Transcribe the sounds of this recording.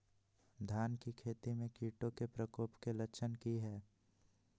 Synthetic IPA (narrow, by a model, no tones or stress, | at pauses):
d̪ʱaːnkikʰeːt̪imẽkiːʈõkepɾəkoːpkelət͡ʃʰənkiɦɛː